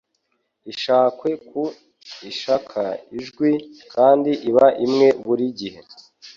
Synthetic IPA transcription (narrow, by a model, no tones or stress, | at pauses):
iʃaːkwe̞kʰu | iʃakʰa̰iʒɡwikʰaːndiʔiβaʔimŋe̞βuɾiɟihe̞